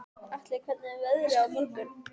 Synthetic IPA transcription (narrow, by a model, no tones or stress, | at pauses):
aht̪lɪkʰvɛt̪nɪɛvɛðɾɪawmuɾt̪ʏɾ̥